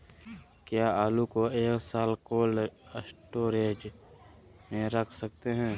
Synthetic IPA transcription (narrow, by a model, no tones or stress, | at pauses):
kjaːaːlukoeːksaːlkoːləsʈoːɾeːd͡ʒ | mẽɾəkʰsɐk̚t̪eɦɛ̃ː